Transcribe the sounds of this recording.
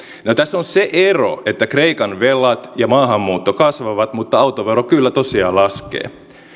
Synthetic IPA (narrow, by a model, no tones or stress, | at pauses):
not̪æsːonseʔero̰et̪ːækreikɑnʋelːɑt̪jɑmɑːɦɑmːuːt̪ːokɑsʋɑʋɑt̪mut̪ːɑɑwt̪oʋerokylːæt̪osiɑːlɑskḛː